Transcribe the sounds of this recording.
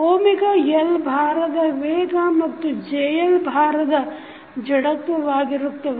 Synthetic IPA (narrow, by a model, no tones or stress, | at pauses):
oːmikɐjɐlbʱaːɾɐd̪ɐʋeːɡaːmɐkt̪ud͡ʒeːjɐlbʱaːɾɐd̪ɐ | d͡ʒɐɽɐk̚t̪uʋaːɡiɾɐk̚t̪ɐ